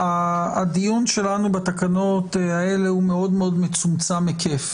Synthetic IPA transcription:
ad̪ijunʃe̞lanubat̪akano̞tae̞le̞hume̞o̞d̪meo̞d̪met͡sumt͡samːekʰef

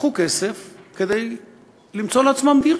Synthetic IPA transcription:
χukesefke̞d̪ej | limt͡so̞leat͡smambi

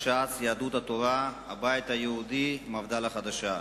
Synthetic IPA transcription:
ʃasjaːd̪ut̪at̪oɾa | abajt̪hajehud̪imavd̪alaχad̪aʃa

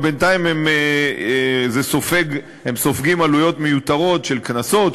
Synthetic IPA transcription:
bent̪aimeme | zesofeɡ | emso̞fɡimalujo̞tmejut̪aʁo̞tʃelknaso̞t

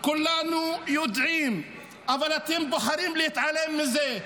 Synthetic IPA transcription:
kʊlːanujʊd̪ʕiːm | ʔavalat̪iːmbʊħaɾiːmlɪjɪt̪ʕalemːɪzeː

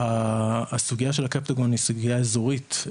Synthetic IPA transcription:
asuɡijaʃe̞lakapt̪aɡo̞nisuɡijaezoʁit̪

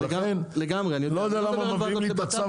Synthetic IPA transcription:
enleɡamʁeanilod̪ealamameviimlit̪at͡sa

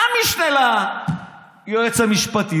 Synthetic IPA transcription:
amiʃnela | joet͡samiʃpɐt̪i

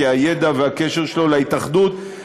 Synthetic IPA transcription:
eajed̪aveakeʃeʁʃelo̞laitaχd̪ut̪

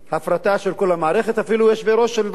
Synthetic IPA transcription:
hafɾat̪aʃe̞lko̞lamaːɾe̞χe̞t̪afilujeʃveɾo̞ʃːelv

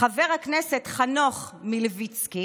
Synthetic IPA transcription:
aveʁhakneset̪χanoχmilevit͡ski

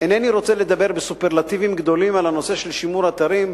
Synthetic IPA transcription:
eneniɾo̞t͡sele̞d̪abe̞ʁbesupeʁlat̪ivimɡd̪o̞limalano̞se̞ʃelʃimuɾat̪aɾim

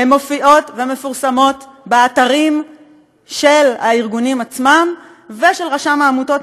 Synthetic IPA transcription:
emːo̞fiʔo̞tveme̞fuʁsamo̞tbeataʁim | ʃe̞lhaiʁɡunimat͡smam | ve̞ʃe̞lʁaʃamaːmuto̞t

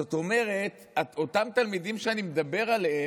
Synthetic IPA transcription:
ot̪o̞me̞ʁe̞t | ao̞tamt̪almid̪imʃeanimed̪abe̞ʁalehe

